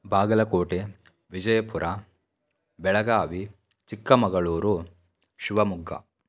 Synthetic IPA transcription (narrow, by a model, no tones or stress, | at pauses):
bʱaːɡɐlɐkoːʈe | ʋid͡ʒɐjɐpuɾʔa | bɛɭɐɡaːʋi | t͡ʃikːɐmɐɡɐɭuːɾu | ʃiʋɐmuɡːɐ̰